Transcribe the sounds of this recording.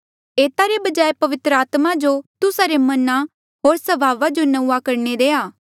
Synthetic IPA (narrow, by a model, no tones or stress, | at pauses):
eːt̪aɾebɐd͡ʒaːepɐʋɪt̪ɾəaːt̪mad͡ʒot̪ʊsaɾemɐna | ɦoːɾsɐbʱaːʋad͡ʒonɐuakɐɾned̪eːaː